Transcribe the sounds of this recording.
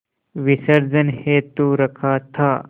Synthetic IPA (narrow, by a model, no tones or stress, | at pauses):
ʋisəɾd͡zənhet̪uːɾɐkʰaːt̪ʰaː